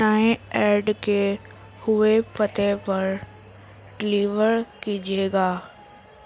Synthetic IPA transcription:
aːẽɛːɾɖke | hʊepət̪epɐɾ | ɖɪliːʋəɾkid͡ʒieːɡaː

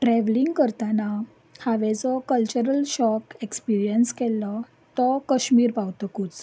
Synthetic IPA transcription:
ʈɾɛʋliŋɡkəɾt̪ana | haʋɛd͡zɔkəlt͡ɕuɾəlɕɔkekspiɾijənskɛlːɔ | t̪ɔkəɕmiːɾpawt̪ɔkut͡s

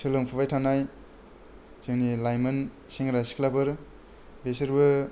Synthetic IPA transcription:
sɯlɯmpʰuβajtʰanaj | t͡ʃɯŋnilajmɯn | seŋɾasi̥kʰlabɯɾ | besɯɾbɯ

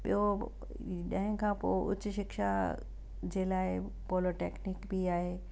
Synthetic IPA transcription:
ɓḭɦo | ɗãɦɪ̃kʰãːpo̰ːʊ̰t͡ɕʊʃɪkʃa̰ | d͡ʑeːlaːɪ | poːloʈḛːknɪkbʱiaːɦeː

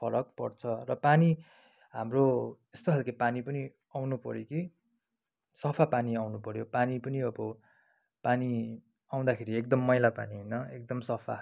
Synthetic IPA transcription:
pʰʌɾʌk̚pʌ̰rt͡sʰʌrʌpani | ɦamroest̪oɦalkepanipʌni | awnupʌ̰ɾjoki | sʌpʰapaniawnupʌɾjopanipʌniʌbʌ | pani | aw̃d̪akʰeɾiek̚d̪ʌmːʌjlapa̰niɦojnʌek̚d̪ʌmsʌpʰa̰

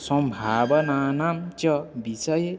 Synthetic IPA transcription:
sʌmbʱabʌnanamt͡ʃʌbisʌje

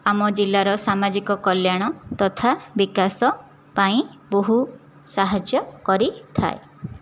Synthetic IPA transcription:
amɔd͡ʒilːaɾɔsamad͡ʒikɔkɔljaɽ̃ɔt̪ɔt̪ʰabikasɔ | paĩboɦu | saɦad͡ʒjɔkɔɾit̪ʰa̰e

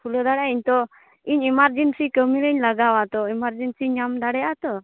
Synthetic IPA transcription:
pʰuləd̪aɽaiɲt̪ɔ | iɲimaɾd͡ʑensikəmiɾəɲlaɡaʋat̪ɔimaɾd͡ʑensiɲamd̪aɽɛat̪ɔ

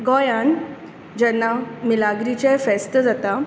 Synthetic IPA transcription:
ɡɔjan | d͡ʑɛnːamilaɡɾit͡ɕafɛst̪əd͡zat̪a

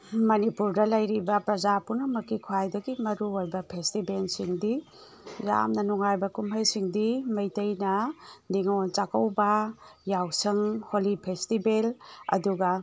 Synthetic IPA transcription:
mɐnipuɾdɐlɐjɾibɐpɾɐzapunɐmɐkikʰuajdɐɡimɐɾuojbɐpʰestibelsiŋdi | ɾa̰mnɐnuŋajbɐkumɦɐjsiŋdimɐjtɐjnɐniŋont͡ʃakɐwbɐjawsɐŋholipʰestibelɐ̰duɡɐ

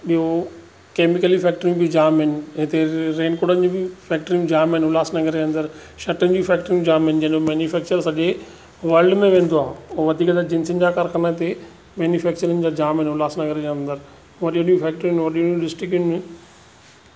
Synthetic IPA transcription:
ɓiɦo | keːmɪkəlifɛːk̚ʈəɾĩjũbɪd͡ʑaːmɦɪnɪ̆ɦɪ̃t̪ʰeɾeːnkoɽənɪd͡ʑuːbɪfɛːk̚ʈɾĩjũd͡ʑaːmɦɪnɪɦʊlaːsnɐɡəɾd͡ʑeɐ̃nd̪əɾ | ʃɐʈənɪd͡ʑũfɛːk̚ʈəɾĩjũd͡ʑaːmɦɪnɪd͡ʑɐnomɛːnjufɛːk̚t͡ɕəɾsɐʄe | ʋɐɾlɖmẽʋẽːnd̪oaːɦeoʋɐd̪ʱiːkət̪ad͡ʑɪ̃nsənɪ̆d͡ʑaːkaːɾkʰanat̪ʰe | mɛːnjufɛːkt͡ɕəɾənɪd͡ʑaːd͡ʑaːmɦɪnɦʊlaːsnɐɡəɾd͡ʑeɐ̃nd̪əɾ | ʋɐɗijõɗijũfʰɛːk̚ʈɾĩũʋɐɗijũnijũɗɪsʈɾɪk̬jũnmɪ̃

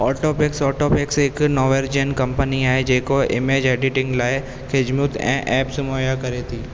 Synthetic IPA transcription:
ɔːʈoːpɪksɔːʈoːpɪkseːknɔːʋeɾd͡ʒenkɐ̃mpəniaːed͡ʒeːkoɪ̰meːd͡ʒeːɖɪʈɪ̃ŋɡlaːe | kʰed͡ʒmʊt̪ʰɛ̰̃ːʔɛːpsʊmoːjakɐɾet̪ʰiː

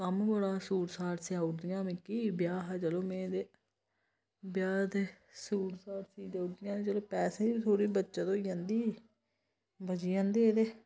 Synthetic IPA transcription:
kəmɡoːɽaːsuːɾsaːʈsjãːʊɽd̪ɪjãːmɪ̃kiːbjaːɦaːd͡ʒəloːmẽːd̪eː | bjaːd̪e | suːɾsaːɾsiːd̪aːʊɾd̪ɪjãːet͡ʃəloːpɛːseːit̪ʰoːɽiːbətːʃaːt̪oːijãnd̪iː | bəd͡ʒiːãːnd̪eːd̪eː

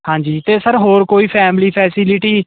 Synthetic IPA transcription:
hãːɲd͡ʒiːt̪eːsəɾɦoːɾkoːiːpʰɛːmliːpʰɛːsɪlɪʈiː

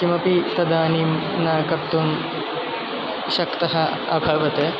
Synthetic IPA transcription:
kimɐpit̪ɐd̪aːniːm | naːkɐp̚t̪um | ʃɐkt̪ɐɦɐ | ɐbʱɐʋɐt̪e

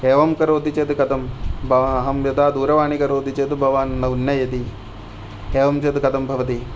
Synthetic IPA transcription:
eːʋɐmkɐɾoːd̪ʱit͡ʃeːt̪kɐt̪ɐmbʱɐʋɐɦɐmjɐd̪aːd̪uːɾɐʋaːɳikɐɾoːd̪ʱit͡ʃeːt̪bʱɐʋaːnnːɐunːɐjɐt̪i | eːʋɐmt͡ʃet̪kɐt̪ɐmbʱɐʋɐt̪̬i

